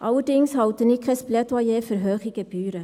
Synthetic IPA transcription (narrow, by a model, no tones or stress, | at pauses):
ʔɑwədɪŋshɑwtənɪkχəsplɛtɑjeːfyɾɦøːχɪɡ̥əb̥yːɾə